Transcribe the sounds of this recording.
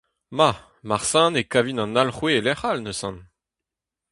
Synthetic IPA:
ma | maʁsɑ̃nekavinɑ̃nalχwelɛχalnəsɑ̃n

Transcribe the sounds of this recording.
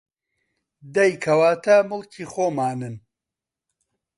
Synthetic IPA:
d̪ɐjkʰɐwaːt̪ʰɐmʊlkʰiːxoːmaːnɨn

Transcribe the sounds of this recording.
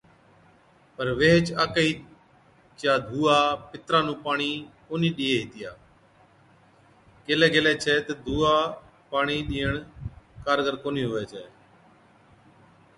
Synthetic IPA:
pəɾʋeːɦt͡ʃaːkəiː | t͡ʃjaːd̪ʱuːaːpɪt̪ɾãːnũːpaːɳiː | oːniːɗiːeːɦiːt̪ɪja̰ː | keːlɛːɡeːlɛːt͡ʃʰɛːt̪eːd̪ʱuːaː | paːɳiːɗiːəɳkaːɾɡəɾkoːnĩːɦoːʋɛːt͡ʃʰɛ̰ː

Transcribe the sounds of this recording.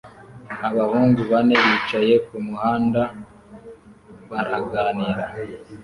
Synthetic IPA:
aβahuːŋɡuβane̞βiːt͡ʃaje̞kumuhaːnda | βaɾaɡaːniɾa

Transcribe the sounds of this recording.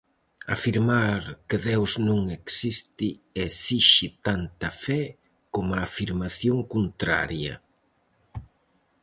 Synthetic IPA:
a̰fiɾmaɾkeðewznõŋeksist̪iesiʃit̪ant̪ɐfɛ | komaːfiɾmaθjoŋkunt̪ɾa̰ɾjɐ̰

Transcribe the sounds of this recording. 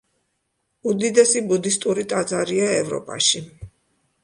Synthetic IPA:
ud̪id̪ɛsibud̪ist̪ʼuɾit̪ʼad̪zaɾiaɛvɾɔ̰pʼa̰ʃi

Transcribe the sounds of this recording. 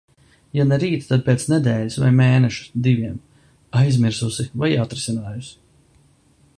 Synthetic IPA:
janɛɾiːt̪t̪ad̪̚pʲeɛt̪snɛd̪ɛːlʲisva̰jmeːnɛʃu̥d̪iviɛm | ajzmiɾsusivajat̪ɾisinaːjus

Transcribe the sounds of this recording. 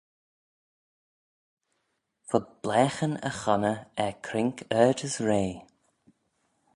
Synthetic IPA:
fəb̥lɛːxənə̰xɔnəɛkʰɾɪŋkʰɛːdəsɹeː

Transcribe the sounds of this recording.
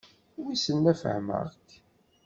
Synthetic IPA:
wisənːæfə̰hmə̰ʁk

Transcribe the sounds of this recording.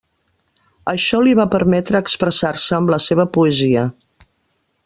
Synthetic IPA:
əʃɔliβapəɾmɛt̪ɾəːkspɾəsarsəːmləseβ̞əpuəziə

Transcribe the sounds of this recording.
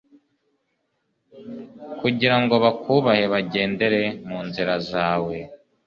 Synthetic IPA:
kuɟiɾaŋɡo̞βakuːβahe̞βaɟe̞ːnde̞ɾe̞muːnziɾazaːwe̞

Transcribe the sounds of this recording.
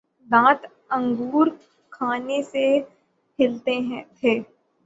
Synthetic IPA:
d̪ãːt̪ | ə̃ŋɡuːɾ | kʰaːnese | hʰɪlt̪eɦɛ̃t̪ʰeː

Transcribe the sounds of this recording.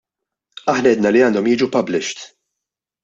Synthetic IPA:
ɐħnɐɛːd̪nɐliɐːnd̪ɔmjɪːd͡ʒupɐblɪʃt̪

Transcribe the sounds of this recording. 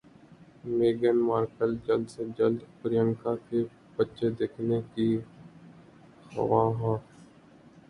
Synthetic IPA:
meːɡənmaːɾkəld͡ʒəld̪sed͡ʒəld̪pəɾɪjəŋkake | bətːʃed̪eːkʰneki | xə̰ʋaːɦãː

